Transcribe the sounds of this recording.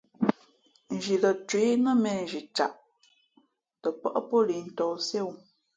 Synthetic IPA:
n̩˨d͡ʒi˨lə˨twe˨˦nə˦mɛ˨n˨ʒi˨t͡ʃa̰˨ʔ | tə˨pə̰˦ʔə˦po˦li˨n̩˨tɔ˨se˦˨w

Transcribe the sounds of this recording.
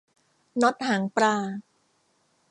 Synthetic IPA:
no˦˥t̪̚haː˩˦ŋpɾaː˧

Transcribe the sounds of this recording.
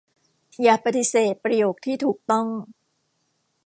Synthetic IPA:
jaː˨˩pa˧t̪i˧seː˨˩t̪̚pɾa˧joː˨˩k̚t̪ʰiː˥˩t̪ʰuː˨˩k̚t̪ɔ˥˩ŋ

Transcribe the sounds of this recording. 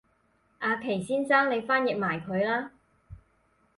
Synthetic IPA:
ʔaː˨˧kʰe˨˩jsiː˥nsaː˥ŋne˨˧jfaː˥njɪ˨k̚maː˨˩jkʰɵ˨˧ɥlaː˥

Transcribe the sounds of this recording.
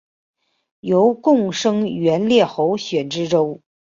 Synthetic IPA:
jo˧˥ʊkʊ˥˩ŋʂɤ˥ŋɥɛ˧˥nljɛ˥˩xo˧˥ʊɕɥɛ˨˩nʈ͡ʂɻ̩˥ʈ͡ʂo˥ʊ

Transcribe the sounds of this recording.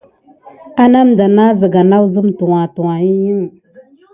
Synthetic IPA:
a˦na˦m˨da˨na˦zə˨ɡa˨na˦wzə˦mtu˨wa˨tu˨wa˨ji˦jə˦ŋ˨

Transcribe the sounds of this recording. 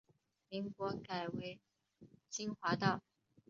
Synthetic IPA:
mi˧˥ŋkwɔ˧˥ka˨˩ɪwe˧˥ɪ | t͡ɕi˥nxwa˧˥t̪ɑ˥˩ʊ

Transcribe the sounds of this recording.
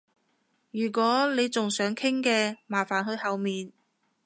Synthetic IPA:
jyː˨˩kʷɔː˨˥le˨˧jt͡sʊ˨ŋsœː˨˥ŋkʰɪ˥ŋkɛː˧maː˨˩faː˨˩nhɵ˧ɥhɐ˨wmiː˨n

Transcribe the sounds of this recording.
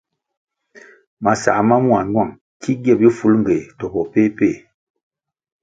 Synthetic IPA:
ma˨sa̰˨ʔma˦mwa˨nwa˦˨ŋ | kʰi˦ɡjɛ˦˨bi˦fu˨˦lŋ̩˨ɡe˨tɔ˨pɔ˨pe˦pe˦˨

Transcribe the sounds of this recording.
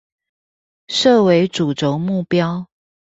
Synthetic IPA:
ʂɤ˥˨we˧˦ɪʈ͡ʂu˨˩ʈ͡ʂo˧˦ʊŋmu˥˨˩pjɑ˦ʊ

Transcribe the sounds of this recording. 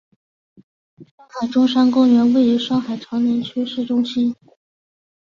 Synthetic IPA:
ʂɑ˥ŋxa˨˩ɪʈ͡ʂʊ˥ŋʂa˥nkʊ˥ŋɥɛ˧˥nwe˥˩ɪi˧˥ʂɑ˥ŋxa˨˩ɪʈ͡ʂʰɑ˧˥ŋnjɛ˧˥nt͡ɕʰɛ˥ʂɻ̩˥˩ʈ͡ʂʊ˥ŋɕi˥n

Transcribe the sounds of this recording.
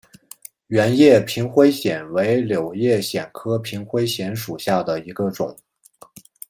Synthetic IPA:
ɥɛ˧˥njɛ˥˩pʰi˧˥ŋxwe˥ɪɕjɛ˨˩nwe˧˥ɪljo˨˩ʊjɛ˥˩ɕjɛ˨˩nkʰɤ˥pʰi˧˥ŋxwe˥ɪɕjɛ˧˥nʂu˨˩ɕja˥˩d̪ə˩i˧˥ɡə˧ʈ͡ʂʊ̰˨˩˦ŋ

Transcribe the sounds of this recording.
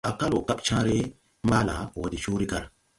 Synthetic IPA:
a˨ka˦lo˨ka˦pt͡ʃãː˦ɾe˦ | maː˦la̰˨wa˨di˨ʃuː˦ɾi˦ka˨ɾ

